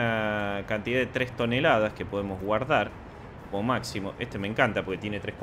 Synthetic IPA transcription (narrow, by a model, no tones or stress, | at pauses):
akant̪iðaðet̪ɾest̪o̞nelaðaske̞po̞ðemo̞zɣwaɾðaɾ | komomaksimo̞ʔest̪emẽ̞ŋkant̪apo̞ɾke̞t̪jene̞t̪ɾehk